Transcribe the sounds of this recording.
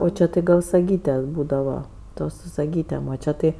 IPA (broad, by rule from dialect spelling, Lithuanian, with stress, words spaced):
oː ˈt͡ʃʲɛ tɐɪ ˈɡɐlˠ sɐˈɡʲiːtʲɛ ˈbuːdɐʋɐ ˈtoːs sʊ sɐˈɡʲiːtʲeːm oː ˈt͡ʃʲɛ ˈtɐɪ